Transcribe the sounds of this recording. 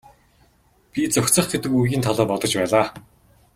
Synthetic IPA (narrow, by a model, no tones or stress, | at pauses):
pʲit͡sɔkʲt͡sə̆χɡet̪ɘ̆kujɣʲiːnt̪ʰɔɮɔːpɔt̪ɞ̆t͡ɕpæːɮaː